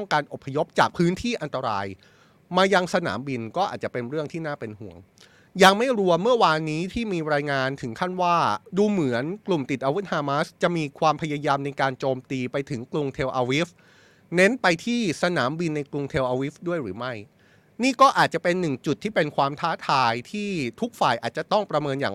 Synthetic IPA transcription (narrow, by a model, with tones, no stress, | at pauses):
ɔ˥˩ŋkaː˧nʔo˨˩pʰːa˧jo˦˥p̚t͡ɕaː˨˩k̚pʰɯː˦˥nt̪ʰiː˥˩ʔa˧nt̪a˧ɾa̰ː˧j | maː˧ja˧ŋsa˧na̰ː˩˦mbi˧nkɔː˥˩ʔaː˨˩t̪̚t͡ɕa˨˩pe˧nɾɯ˥˩əŋt̪ʰiː˥naː˥˩pe˧nhṵ˨˩˦əŋ | ja˧ŋma˥˩jɾu˧əmɯ˥˩ɐwaː˧nːiː˦˥t̪ʰiː˥˩miː˧ɾaː˧jŋaː˧nt̪ʰɯ˩˦ŋkʰa˥˩nwaː˥˩duː˧mɯ˩˦ənklu˨˩mt̪i˨˩t̪̚ʔaː˧wu˦˥t̪̚haː˧maː˦˥st͡ɕa˨˩ʔmiː˧kʰwaː˧mpʰa˧ja˧jaː˧mna˧jkaː˧nt͡ɕoː˧mt̪iː˧pa˧jt̪ʰɯ˩˦ŋklu˧ŋt̪ʰeː˧wʔaː˧wi˦˥f̚ | ne˦˥npa˧jt̪ʰiː˥˩sa˧na̰ː˩˦mbi˧nːa˧jklu˧ŋt̪ʰeː˧wʔaː˧wi˦˥fdu˥˩əjɾɯː˩˦ma˥˩j | niː˥˩kɔː˥˩ʔaː˨˩t̪̚t͡ɕa˨˩pe˧nːɯ˨˩ŋt͡ɕu˨˩t̪ʰːiː˥˩pe˧nkʰwaː˧mt̪ʰaː˦˥t̪ʰaː˧jt̪ʰiː˥˩t̪ʰu˦˥k̚faː˨˩jʔaː˨˩t̪̚t͡ɕa˨˩t̪ɔ˥˩ŋpɾa˧mɤː˧nja̰ː˨˩